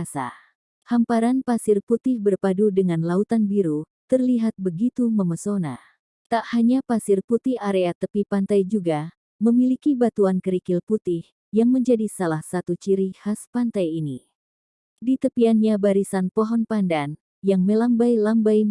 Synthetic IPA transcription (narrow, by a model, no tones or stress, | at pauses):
sa̰ | hampaɾanpasɪrput̪ɪhbərpadudəŋanlaut̪anbiɾut̪ərliɦat̪̚bəɡit̪uməməsona̰ | t̪aʔhaɲapasɪrput̪ɪhaɾeat̪əpipant̪ajd͡ʒuɡa | məmilikibat̪uankəɾikɪlput̪ɪh | jaŋməɲd͡ʒadisalahsat̪ut͡ʃiɾihaspant̪ajini | dit̪əpianɲabaɾisanpɔɦɔnpandan | jaŋməlambajlambaj